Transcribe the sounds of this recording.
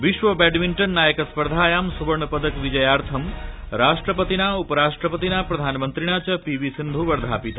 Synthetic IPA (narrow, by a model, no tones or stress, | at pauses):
ʋiʃʋɐbɛɖʋiɳʈənːaːjəkɐspɐɾd̪ʱaːjaːmsuʋɐɾɳɐpɐd̪əkʋid͡ʒɐjaːɾt̪ʰɐm | ɾaːʂʈɾəpət̪inaːupɐɾaːʂʈɾəpət̪inaːpɾɐd̪ʱaːnmənt̪ɾiɳaːt͡ʃɐpiʋisind̪ʱuʋɐɾd̪ʱaːpit̪a